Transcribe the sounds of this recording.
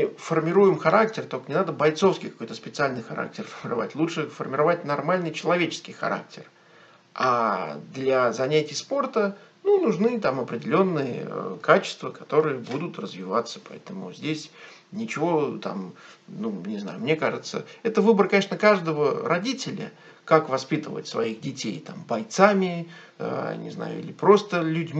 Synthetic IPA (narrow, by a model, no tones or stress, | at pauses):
mɨfərmʲɪɾujɪmxɐɾak̚tʲɪrt̪okənʲɪnad̪əbɐjt̪so̞fskʲɪjkɐ̥ko̞jʲt̪əspʲɪt̪sɨalʲnɨjxɐ̰ɾa̰k̚tʲɪrfərmʲɪɾɐva̰tʲlˠutʂɨfərmʲɪɾɐvatʲnɐrmalʲnɨjt͡ɕɪlˠɐvʲet͡ɕɪ̥skʲɪjxɐ̰ɾa̰k̚tʲɪr | ad̪lʲazɐnʲætʲɪjspo̞rt̪ənunʊʐnɨt̪amɐpɾʲɪdʲɪlʲo̞nːɨjə̰kat͡ɕɪ̥st̪vəkɐt̪o̞ɾɨjəbud̪ʊt̪rəzvʲɪvat̪sə̥pɐɛt̪əmʊ̰zʲdʲesʲnʲɪt͡ɕɪvo̞t̪a̰m | nunʲɪzna̰jʊmnʲe̞kaʐɨt̪sə̰ɛt̪əvɨbərkɐnʲeʂnəkaʐd̪əvəɾɐdʲitʲɪlʲə̰ | kakvɐspʲit̪əvə̰tʲsvɐixdʲɪtʲejt̪ambɐjt̪samʲɪ | a̰nʲɪ̰zna̰jʊ̰ḭlʲɪpɾo̞st̪əlʲʉdʲmʲ